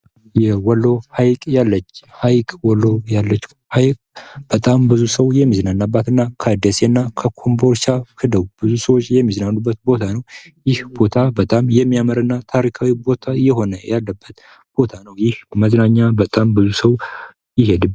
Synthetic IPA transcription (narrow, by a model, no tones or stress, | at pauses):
jɛwɔlːo̞hajkʼjalːət͡ʃːhajkʼwɔlːo̞jalːət͡ʃː | hajkʼb̥ət̪ʼambɨzusəwjɛmːiznanːabːat̪ɨnːakʰəd̪esenːakʰəkʰombo̞ɾʃakʰɨd̪əwb̥ɨzusəwot͡ʃːjɛmːiznanːubːət̪̚bo̞t̪ʰanəw | jɪhb̥o̞t̪ʰabət̪ʼamjɛmːijaməɾɨnːat̪ʰaɾikʰawibo̞t̪ʰajɛɦo̞nəjalːəbːət̪ | b̥o̞t̪ʰanəwjɪhməznaɲːabət̪ʼambɨzusəw | jɪɦe̞d̪ɨ